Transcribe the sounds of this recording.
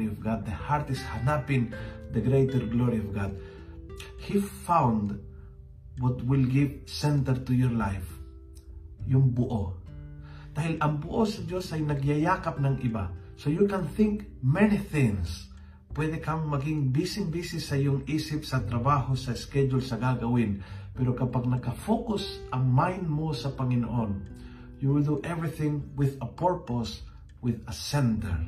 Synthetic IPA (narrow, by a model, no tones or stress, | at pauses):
iɔvɡad̪̚ːəhaɾt̪ɪshanapĩŋd̪əɡɾejt̪əɾɡloɾiɔvɡad̪̚ | hifãwnd̪ | wɔt̪wilɡivsɛ̃nt̪əɾt̪ujɔɹlajf | juŋbuʔo | d̪̥ahilãnbuʔosad͡ʒosajnaɡjajakap̚nãŋiba | sojukãnθɪ̃ŋk | mɛniθɪ̃ŋs | pwɛd̪ɛkammɐɡɪŋbisɪŋbiːsɪsːɐjʊŋʔiːsɪpsɐt̪ɾɐbaːhosɐɪskɛd͡ʒʊlsɐɡaɡɐwɪnpɛɾokɐpaɡ̚nɐkɐfokʊsʔɐŋmajnd̪mosɐpɐŋɪno̰ʔon | juwɪld̪uʔɛvɹɪθɪ̃ŋwɪðɐpɛɹpos | wɪðɐsɛnd̪ɛ̰ɹ